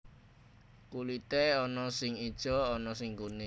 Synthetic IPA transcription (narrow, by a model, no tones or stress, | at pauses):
kulit̪eɔnɔsɪŋid̥ʒ̥ɔɔnɔs̬ɪŋkunɪ